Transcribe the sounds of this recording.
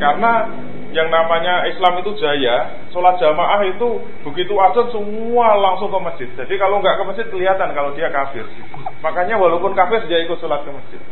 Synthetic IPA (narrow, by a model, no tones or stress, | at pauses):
karəna | jaŋnamaɲaislamit̪ud̥ʒ̥a̤ja | solat̪̚ʒ̥a̤maʔahit̪u | b̥əɡit̪uaz̥ɔnsəm | ualaŋsʊŋkəmə̥ɪt̪̚d͡ʒadikaloŋɡaʔkəməd͡ʒ̥ɪt̪̚kəliɦat̪ankalodiakafɪ̰rɡ̥it̪u | makaɲawalopʊnkafɪriaikʊt̪solat̪̚kəmədd͡ʒ̥ɪt̪̚